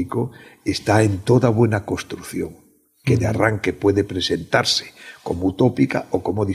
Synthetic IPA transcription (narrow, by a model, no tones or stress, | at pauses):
ikoest̪aent̪oðaβwe̞nakost̪ɾuθjo̰ŋ | keðea̰raŋkepweðepɾesent̪aɾse̥ko̰mout̪opika̰okomoði